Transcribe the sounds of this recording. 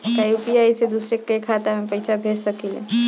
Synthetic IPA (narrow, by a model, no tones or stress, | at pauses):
t̪ajupiajsed̪usɾekːəjkʰat̪amepəjsabʱeʈsəkilḛ